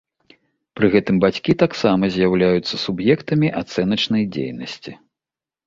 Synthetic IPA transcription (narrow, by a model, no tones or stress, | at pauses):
pɾɨɣɛt̪ɨmbat͡sʲkʲit̪aksamɐzʲjawlʲajut̪sːɐsubjɛkt̪ɐmʲiʔat̪sɛnɐt͡ʂn̪ɐjd͡zʲḛjnɐsʲt͡sʲi